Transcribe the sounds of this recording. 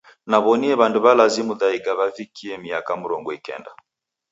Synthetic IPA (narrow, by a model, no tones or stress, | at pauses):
naβɔniɛβanduβalazimuðaiɡaβavikʰiɛmiakamuɾɔŋɡɔikɛ̰nda̰